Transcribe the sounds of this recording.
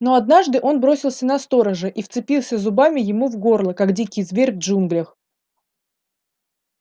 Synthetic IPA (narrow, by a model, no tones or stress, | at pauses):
no̞ɐd̪naʐd̪ɨʔo̞nbɾo̞sʲɪlˠsʲənɐst̪o̞ɾəʐɨʔift̪sɨpʲilˠsʲəzʊbamʲɪjɪmuvɡo̞rlˠəkaɡdʲikʲɪjzvʲeɾʲvʐunɡlʲəx